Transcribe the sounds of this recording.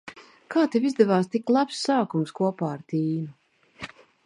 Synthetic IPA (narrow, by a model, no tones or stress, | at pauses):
kaːt̪ɛvizd̪ɛvaːst̪iklˠapsːaːkumskuɔpaːaɾt̪iːnu